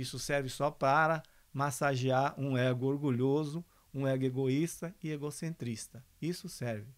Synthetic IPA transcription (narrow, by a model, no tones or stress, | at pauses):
isʊsɛɾvɪsɔpɾaɾɐ | masaʒiaɾũɛɡʊoɾɡuʎozʊ | ũɛɡʊeɡoist̪ɐɪeɡosẽnt̪ɾist̪ɐ | isʊsɛɾvɪ